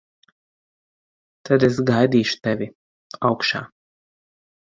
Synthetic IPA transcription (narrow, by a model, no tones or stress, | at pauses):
t̪ad̪esɡajd̪ʲiːʃu̥t̪ʲɛvʲi | awkʃa̰ː